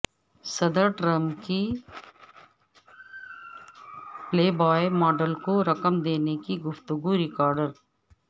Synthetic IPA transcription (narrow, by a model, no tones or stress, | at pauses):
sɐd̪əɾʈɾɐmpki | pleːbaːemɔːɖəlkoɾɐkəmd̪eːnekiɡʊft̪ʊɡuɾɪkɔːɾɖəɾ